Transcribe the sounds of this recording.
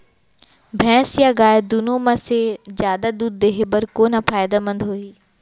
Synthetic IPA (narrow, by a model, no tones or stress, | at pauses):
bʱɛ̃ːsjaɡaːd̪unomɐsezjaːd̪ad̪uːd̪̚ːeːɦebəɾkoːnapaːjd̪amɐ̃nd̪ʱɦoːiː